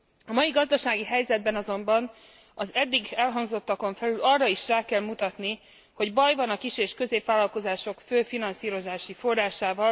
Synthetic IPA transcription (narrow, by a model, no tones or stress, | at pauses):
ɒmɒjiɡɒzd̪ɒʃaːɡiɦɛjzɛd̪̚bɛnɒzo̞mbɒn | ɒzɛd̪ːiɡɛlɦɒŋzo̞t̪ːɒko̞ɱfɛlylɒrːɒiʃraːkɛlmut̪ɒt̪ni | ho̞ɟbɒjvɒnɒkiʃeːʃkø̞zeːpvaːlɒlko̞zaːʃo̞kføːfinɒnsiːɾo̞zaːʃifo̞rːaːʃaːvɒl